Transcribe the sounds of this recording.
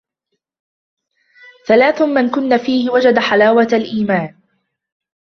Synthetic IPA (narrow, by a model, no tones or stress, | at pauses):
θalaːθʊmankʊnːafiːhɪwad͡ʒad̪aħalaːwaalʔiːmaːn